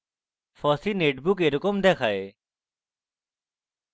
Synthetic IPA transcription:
fʰɔsineʈbukeɾɔkomd̪ɛkʰae

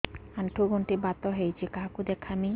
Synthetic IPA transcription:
aɳʈʰuɡoɳʈibat̪oɦejt͡ɕʰikaɦkud̪ekʰːami

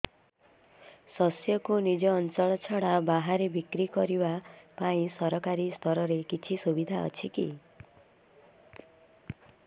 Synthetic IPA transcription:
sɔsjɔkunid͡ʒɔːnt͡ʃɔɭɔt͡ʃʰɔɽabaɦaɾebikɾikɔɾibapaĩsɔɾɔkaɾist̪ʰɔɾɔɾekit͡ʃʰisubid̪ʱaɔ̰t͡ʃʰikḭ

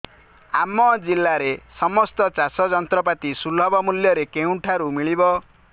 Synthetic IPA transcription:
amɔd͡ʒilːaɾesɔmɔst̪ɔt͡ʃasɔd͡ʒɔnt̪ɾɔpat̪isulɔbɔmuljɔɾekew̃ʈʰaɾumiɭibɔ

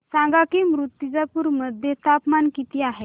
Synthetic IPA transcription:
sãŋɡakiːmɾut̪ːjid͡zapuːɾməd̪ʱjest̪ʰapmankit̪iːaɦe

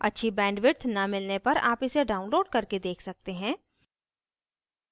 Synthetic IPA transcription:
ɐ̰tːʃʰibɛ̃ːɳɖʋɪʈ̪ʰnɐmɪlnepɐɾa̰ːpɪseɖaːʊnloːɖkɐɾked̪eːkʰsɐk̚t̪eɦɛ̃ː

